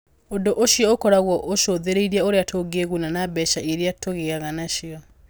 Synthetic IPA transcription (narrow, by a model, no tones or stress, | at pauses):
ondoʔoʃiɔokɔɾaɣwɔʔoʃoðeɾeiɾiaoɾeatʰoɡeɣunanabɛʃaeɾeatʰoɣeɣaɣanaʃiɔ